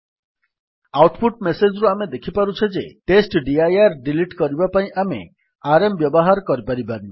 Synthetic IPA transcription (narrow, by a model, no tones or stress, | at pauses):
awʈpʰuʈmesed͡ʒɾuamed̪ekʰipaɾut͡ʃʰed͡ʒeʈesʈɖiajaɾɖiliʈkɔɾibapaĩʔamḛ | aɾembjɔbɔɦaɾɔkɔɾipaɾibaɾi